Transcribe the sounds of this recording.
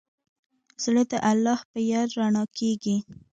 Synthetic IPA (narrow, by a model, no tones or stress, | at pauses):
z̥ləd̪əʔalːɑhpəjɑɾɾaɳɑkʰeɡi